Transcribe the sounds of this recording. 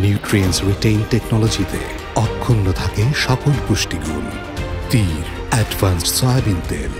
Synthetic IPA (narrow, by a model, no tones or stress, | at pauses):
njuuʈɾiensɾiʈejnʈeknɔlod͡ʑit̪ḛ | ɔkʰːunːot̪ʰakeʃɔpolpuʃʈiɡul | t̪iɾ | ɛɖvansʈsɔjabint̪ḛɾ